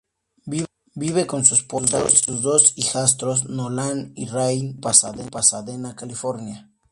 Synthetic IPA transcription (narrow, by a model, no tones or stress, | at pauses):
bi | biβeko̞nsuspozdosuzðo̞sixas̬t̪ɾos̬nolanirajnpasaðepasaðenakalifo̞ɾnja